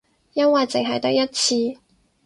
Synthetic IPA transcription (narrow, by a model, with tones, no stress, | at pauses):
jɐ˥nwɐ˨jt͡sɪ˨ŋɦɐ˨jt̪ɐ˨˥jɐ˥t̚t͡sʰiː˧